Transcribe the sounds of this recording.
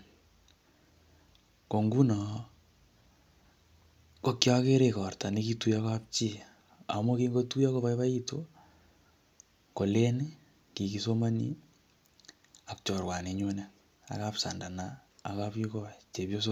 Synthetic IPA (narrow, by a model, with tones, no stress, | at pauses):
ko˨ŋɡu˦nɔ˨ | ko˦kja˦ke˦ɾe˦kɔ˨rta˨ne˦ki˦tu˦ja˦kap̚t͡ʃi˦˨ | a̰˨mo˦ki˦ŋɡo˦tu˦ja˦ko˦βa˦iβa˦ito˨ | ko˨le˦n | ki˨kiso˦ma˦nḭ˦ | a˨k̚t͡ʃɔ˨rwa˨ne˨ɲo˦ne˨ | a̰˨kapsa˨nda˨naː˨kapji˦kɔ˦t͡ʃe˨pjo˦so